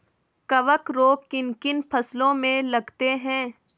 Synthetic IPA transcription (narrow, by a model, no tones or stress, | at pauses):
kɐʋəkɾoːkːɪnkɪnpʰɐslõmẽlɐɡt̪eɦɛ̃ː